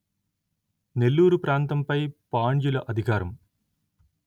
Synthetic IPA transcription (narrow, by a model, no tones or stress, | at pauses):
ne̞lːuːɾupɾaːnt̪ɐmpɐjpaːɳjulɐʔɐd̪ʱikaːɾɐm